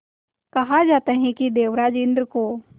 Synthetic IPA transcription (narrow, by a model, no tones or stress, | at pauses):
kɐɦad͡ʒaːt̪eɦɛ̃kid̪eːʋɾaːd͡ʒɪ̃nd̪ɾəko